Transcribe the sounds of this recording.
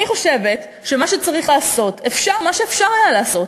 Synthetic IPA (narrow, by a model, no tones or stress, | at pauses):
niχo̞ʃevet | ʃemaʃet͡saʁiχlaːso̞tʰefʃaʁmaʃeːfʃaʁajalaːso̞t